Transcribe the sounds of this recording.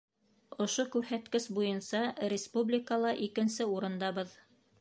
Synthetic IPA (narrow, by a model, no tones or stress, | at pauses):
ŏʃokʉɾhæt̪kɘʃbujɤnsɑɾʲɪspublʲikəlˠɑʔikɘ̆nsɘuɾɤ̆nd̪ɑβɤð